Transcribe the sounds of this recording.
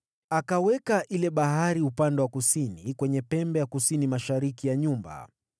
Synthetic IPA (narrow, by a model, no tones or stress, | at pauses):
akawɛkaʔilɛɓaɦaɾiupandɛwakusinikwɛɲɛpɛmbɛjakusinimaʃaɾikijaɲumba̰